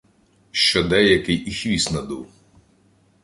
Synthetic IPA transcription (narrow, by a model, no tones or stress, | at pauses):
ʃt͡ʃɔd̪ɛjɐkɪjʔixʋʲisnɐd̪uw